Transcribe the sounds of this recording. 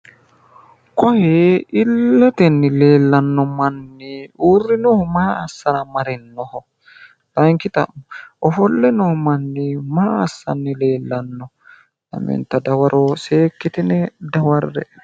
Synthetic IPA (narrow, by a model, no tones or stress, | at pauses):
kɔjɛɪlːɐt̪ɛnːɪle̞ːlːɐnːɔmɐnːɪuːrːɪnɔhɔmaːsːɐɾɐmɐɾɛnːɔhɔ | t̪ɐŋkɪt̪ɐ̰ʔɔfɔlːɛnɔmɐnːɪmaːɐsːɐ̰nːɪle̞ːlːɐnːɔ | lɐ̰mɛ̰nt̪ɐd̪ɐwɐɾʔoːseːkːɪt̪ɪnɛd̪ɐwɐɾːɛ̰